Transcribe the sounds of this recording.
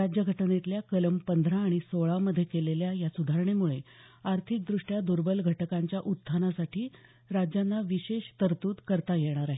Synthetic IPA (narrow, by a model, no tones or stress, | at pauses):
ɾad͡ʑjəɡʱəʈnet̪ljakələmpənd̪ʱɾãːɽ̃isoɭaməd̪ʱːjekeleljajasud̪ʱaɾɳemuɭe | aɾt̪ʰik̚d̪ɾuʂʈjad̪uɾbəlɡʱəʈəkaɲt͡ɕjaʔut̪t̪ʰːanasaʈʰiː | ɾad͡ʑjanːaʋiɕeɕt̪əɾt̪uːd̪kəɾt̪ajeɽ̃aɾaɦe